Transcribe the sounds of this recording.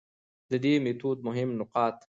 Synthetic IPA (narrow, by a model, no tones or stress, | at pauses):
d̪əd̪emet̪uːd̪̚mʊɦɪmnʊqɑːt̪